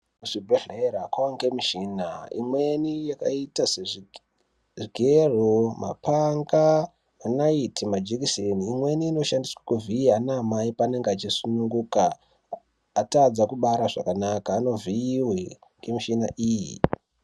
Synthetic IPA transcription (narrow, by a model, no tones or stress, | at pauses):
muʐibʱeɮeɾakwawaŋɡemiʃinaḭmwenijakaitase | ʐiɡʱeroma̰paŋɡa | anaitimad͡ʒekiseniːmwe̞niːno̞ʃandiswakuviianamaipane̞ŋɡeat͡ʃisunuŋɡukaː | tad͡zakuɓaɾaʐa̰kanakaːno̞viiwe | ŋɡemiʃinaʔiːjḭ